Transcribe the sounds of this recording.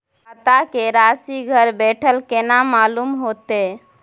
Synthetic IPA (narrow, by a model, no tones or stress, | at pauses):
ət̪akeɾasiɡʱəɾbeʈʰəlkenamalumɦot̪e